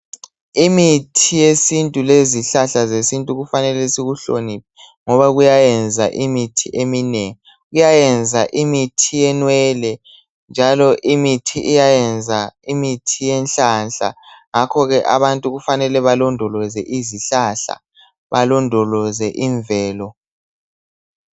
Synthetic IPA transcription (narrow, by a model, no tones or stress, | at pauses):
imitʰijesintʼuleziɬaɬazesintʼuɣufanɛlɛsiɣuɬonipʰɛ | ŋɔβaɣujajɛnd͡zʱaʔimitʰiʔeminɛŋi | ɣujajɛnd͡zʱaʔimitʰijɛnwɛlɛ | nd͡ʒʱalɔʔimitʰiʔijajɛnd͡zʱaimitʰijɛnɬanɬa̰ŋakʰɔɣɛʔa̰βantʼuɣufanɛlɛβalɔndʱɔlɔzɛʔiziɬaɬa̰ | βalɔndʱɔlɔzɛʔiɱvɛːlɔ